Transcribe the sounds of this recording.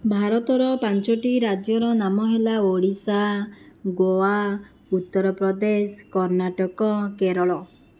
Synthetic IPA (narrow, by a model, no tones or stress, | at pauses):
bʱaɾɔt̪ɔɾɔpant͡ʃɔʈiɾad͡ʒjɔɾɔnamɔɦelaoɽisaɡoa | ut̪ːɔɾɔpɾɔd̪esɔkɔɾnaʈɔkɔkeɾɔɭɔ